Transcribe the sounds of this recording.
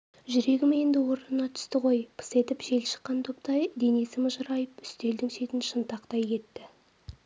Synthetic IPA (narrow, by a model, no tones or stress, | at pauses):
ʒʏɾe̞ɡʲɪme̞nd̪ɪwo̞ɾnənɑt̪ʰʏ̥st̪ɪqʰo̞jpʰə̥se̞t̪ɪpʒe̞lʃə̥qːɑnt̪ʰo̞p̚t̪ɑjd̪e̞ne̞sɪməʒɑɾɑjəpʏ̥st̪e̞ld̪ɪŋʃe̞t̪ɪnʃənt̪ɑqt̪ɑjkʲe̞t̪ːɪ